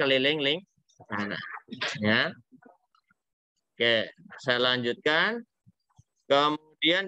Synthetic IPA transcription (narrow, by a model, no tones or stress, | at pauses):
əlilɪŋlɪŋ | ana̰ja | kesajalaɲd͡ʒut̪̚kan | kəmudian